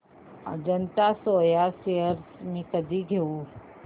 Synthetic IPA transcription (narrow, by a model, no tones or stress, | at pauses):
d͡ʒɐnt̪asoːjasejəɾsmẽkɐd̪ʱiɡʱeu